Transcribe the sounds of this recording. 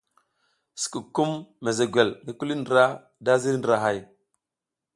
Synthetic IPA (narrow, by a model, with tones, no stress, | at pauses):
si̥˨ku˨ku˦mːe˨ze˨ɡʷe˨lŋi˦ku˦li˦ndɾa˦ | da˦zi˦ɾndɾa˨ɦa˦˨j